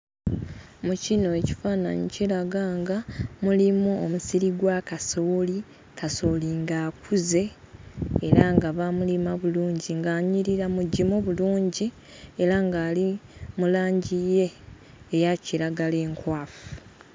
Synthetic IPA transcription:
mucino̞eci̥faːna̰ɲḭciɾaɡaŋɡamulimuomusiɾiɡwakasoːli | kaso̞liŋɡaːkuze̞ː | ɾaŋɡaβamulimaβuluːɲɟiŋɡaːɲiɾiɾamuɟimoβuluːɲɟi | eɾaŋɡaːlimulaːɲɟije̞ː | jaciɾaɡale̞ːŋkwaːfu̥u̥

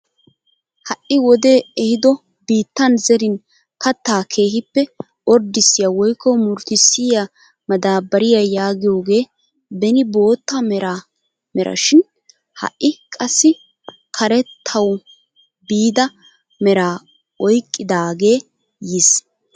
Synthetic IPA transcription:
hɐʔʔɪwɔd̪e̞ːɛhɪd̪ɔ | biːt̪ːɐnzɛɾɪn | kʰɐt̪ːaːkʰe̞ːɦɪpːɛ | ʔɔɾd̪ɪsːɪjawɔjkːɔmʊɾt̪ɪsːɪja | mɐd̪aːbɐɾɪjajaːɡɪjo̞ːɡe̞ː | bɛnɪbo̞ːt̪ːamɛɾa | mɛɾʔɐ̰ʃɪn | hɐ̰ʔʔːɪkʼɐsːɪ | kʰɐɾɛt̪ʰːɐw | biːd̪ɐ | mɛɾaː | ɔjkʼːɪd̪aːɡe̞ː | jɪs

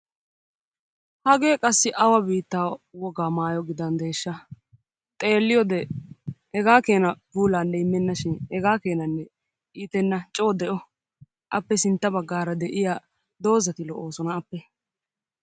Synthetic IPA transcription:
hɐɡe̞ːkʼɐsːɪʔɐwɐbiːt̪ːaːwɔɡaːmaːjɔɡɪd̪ɐnd̪e̞ːʃːɐ | t̪ʼe̞ːlːɪjɔd̪ɛhɛɡaːke̞ːnɐbuːlaːnlɛɪmːɛnːɐʃɪnhɛɡaːke̞ːnɐnːɛ | ʔiːt̪ɛnːɐt͡ʃʼoːd̪ɛʔɔ | ʔɐpːɛsɪnt̪ːɐbɐɡːaːɾɐd̪ɛʔɪja | d̪o̞ːzɐt̪ɪlɔʔo̞ːsɔnɐːpːɛ

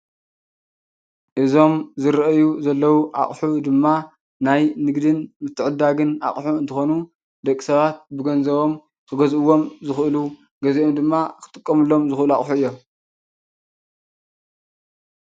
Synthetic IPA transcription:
ʔɨzo̞mzɨɾɐʔjuzɐlːɐwuʔa̰χʼħud̪ɨmːa | najnɨɡd̪ɨnmɨt̪ʰːɨʕɨd̪aɡɨna̰χʼħuɨnt̪ʰɨxo̞nu | d̪ɐkʼisɐβat̪̚bɨɡɐnzɐβo̞m | kʰɨɡɐzʔɨwːo̞mzɨxʔɨlu | ɡɐziʔomd̪ɨmːakʰɨ̥t̪ʼɨkʼːɐmɨlːo̞mzɨxʔɨluaχʼħuɨjːo̞

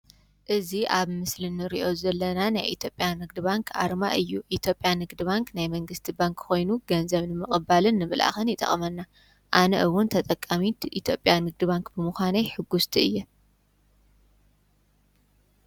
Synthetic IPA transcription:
ʔɨziʔaβmɨslɨnːɨɾḭʔo̞zɐlːɐnana̰jʔḭt̪ʰjo̞pʼjanɨɡ̚d̪ɨbaŋkʰa̰ɾma̰ʔɨjːuʔit̪ʰjo̞pʼjanɨɡd̪ɨβaŋknajmɐŋɡɨst̪ʰibaŋkxo̞jnuɡɐnzɐβnɨmɨχʼɨbalɨnːɨmɨlʔa̰xɐnjɪt̪ʼɐ̰χʼmɐnːa | ʔanɐ̰ʔɨwʊnt̪ʰɐt̪ʼɐkʼːamit̪ʰʔit̪ʰjopʼjanɨɡ̚d̪ɨbaŋkbɨmuxaneħɨɡːust̪ʰiɨjːɛ

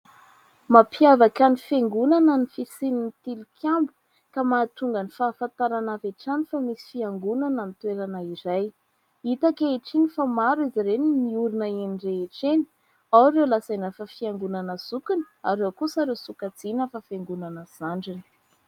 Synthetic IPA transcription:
mapʰiavakanifeŋɡunanənifisininit̪ilukʰʲambu̥ | kamat̪uŋɡanifaːfant̪aɾanaveʈ͡ʂanifamisi̥fiaŋɡunanamit̪weɾanaiɾaj | it̪akeeʈ͡ʂiɲifamaɾizaɾenimiuɾunəeniɖ͡ʐeːʈ͡ʂeni̥ | awaɾewlasanafafiaŋɡunanəsukinə̥aɾewkusaɾewsukad͡zinafafeŋɡunanəz̥aɳɖ͡ʐini̥

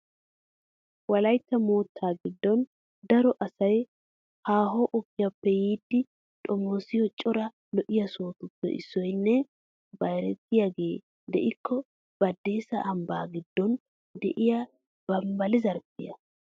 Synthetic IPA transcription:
wɐlɐjt̪ːɐmoːt̪ʰːaːɡɪd̪ːɔn | d̪ɐɾɔʔɐsɐj | haːɦɔʔɔpːɪjɐpːɛjiːd̪ːɪ | t̪ʼɔmosɪjɔt͡ʃʼːɔɾɐ | lɔʔɪjɐsoːt̪ʊpːɛ̰ʔɪ̰sːɔjnːɛ | bɐjɾɛt̪ːɪjaɡe̞ː | d̪ɛ̰ʔɪkʰːɔ | b̥ɐd̪ːe̞ːsɐʔɐmbaːɡɪd̪ːɔn | d̪ɛ̰ʔɪja | b̥ɐmbɐlɪzɐɾpːɪjɐ

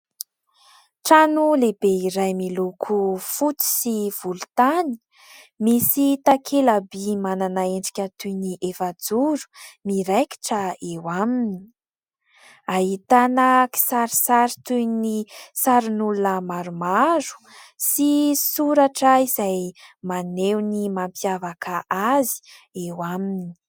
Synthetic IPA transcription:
ʈ͡ʂanuleb̥eiɾajmilukʰufut͡si̥siv̥ulut̪ani̥ | misit̪akʰelabimananaeɳɖ͡ʐi̥kʲət̪ujniʔefad͡zuɾu̥miɾajki̥ʈ͡ʂəewamini̥ | aɦit̪anəki̥saɾisaɾit̪ujnisaɾinulunəmaɾumaɾu̥ | sisuɾaʈ͡ʂəizajmanewnimampjavakaʔazi̥ewamini̥

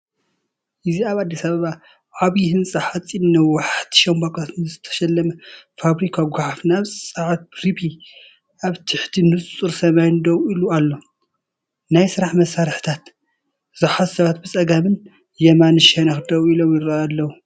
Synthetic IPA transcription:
ʔɨziaβad̪ːisaβɐβa | ʕaβjɪhɨnt͡sʼɨħat͡sʼːinːɐwːaħt̪ʰɨ̥ʃɐmbakʼat̪nɨzɨt̪ʰɐ̥ʃɐlːɐmɐfaβɾikʰaɡʷaʕafnaβsʼsʼaʕat̪̚bɾibʰi | ʔaβt̪ʰɨħt̪ʰinɨst͡sʼuɾsɐmajnɨd̪ɐwilualːo̞ | najsɨɾaħmɐsaɾħt̪ʰat̪ | z̥ɨħat̪sɐβat̪̚bɨt͡sʼɐɡamɨn | jɐmanɨʃɐnɐxd̪ɐwilomjɪɾaalːɐwu

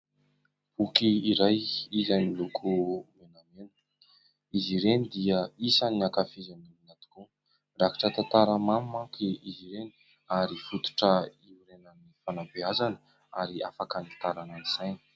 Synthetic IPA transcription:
b̥ukiiɾajizanilukʰumenamenə̥ | iziɾenid̪iəisaniakafizanuminat̪u̥ku | raki̥ʈ͡ʂət̪ant̪aɾəmamimaŋkiiziɾeni̥ | aɾifut̪u̥ʈ͡ʂəiɾenanifanabeazanə | a̰ɾia̰fakanit̪aɾananiz̥ajni

